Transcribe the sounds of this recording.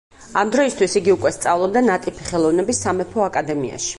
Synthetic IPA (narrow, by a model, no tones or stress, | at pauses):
amd̪ɾɔist̪ʰwisiɡiukʼwɛst̪sʼavlˠɔb̚d̪anat̪ʼipʰiχɛlˠɔvnɛbisːamɛpʰɔakʼad̪ɛmia̰ʃi̥